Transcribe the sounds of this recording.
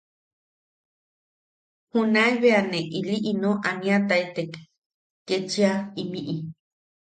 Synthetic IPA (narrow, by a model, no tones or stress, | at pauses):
hunaeβeaneʔiliʔinõʔanĩat̪ait̪ek | kːet͡ʃiaimĩʔi